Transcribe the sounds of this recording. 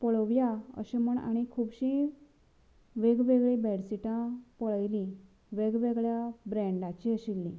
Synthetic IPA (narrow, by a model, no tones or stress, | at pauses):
pəɭəʋjaə̰ɕeməɳa̰ɽ̃ikʰuːbɕi | ʋeɡʋeɡɭibɛɽsiʈãpəɭəjlĩ | ʋeɡʋeɡɭjabɾɛ̃ɳɖat͡ɕiːəɕilːḭ̃